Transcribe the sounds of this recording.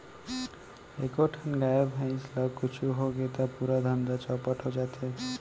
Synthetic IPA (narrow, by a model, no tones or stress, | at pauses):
ekoʈʰanɡajabʱãj̃slʌɡkut͡ʃʰuɦoɡet̪apuɾad̪ʱʌnd̪at͡ʃʌpʌʈʰod͡ʒat̪ʰe